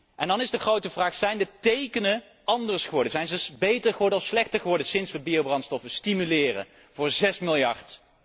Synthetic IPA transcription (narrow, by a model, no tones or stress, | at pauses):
ʔɛndɑnɪzdəχrowtəvraːχsɛjndətejkənə | ɑndəɹsχəʋɔɹdəzɛjnzəbejtəɹχəʋɔɹdəɔfslɛχtəɹχəʋɔɹdəsɪnsʋəbiowbrɑntstɔfəstimylɪːrə̰ | v̥ʊːɹzɛsmɪlˠjɑɹt